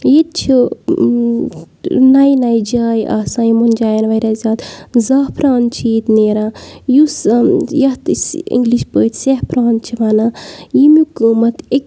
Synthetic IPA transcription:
jet̪̚t͡ʃʰi | nɐjnɐjd͡ʒaːjʔa̰ːsãːjimund͡ʒaːjɐnʋɐjɾazʲaːt̪zaːhpʰɾaːn̚t͡ʃʰiːt̪neːɾãjusjɐht̪sḭ̃ŋɡliʃpəːt̪sehpɾaːnt͡ʃʰiʋanaːjimukəmɐt̪ek

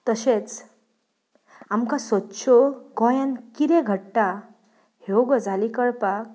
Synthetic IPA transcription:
t̪əɕet͡s | amkasət̪ɕoɡɔjãnkiɾẽɡʱəʈʈa | hewɡəd͡zʱalikəɭpak̚

